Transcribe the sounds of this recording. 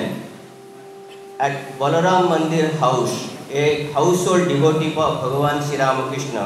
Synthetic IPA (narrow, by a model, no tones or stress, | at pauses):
ɛʈ̚ʋəloɾamːənd̪iɾɦawsekhawsɦolɖɖiʋoʈipəbʱəɡʋanʃiɾamkɾɪʃɳə̰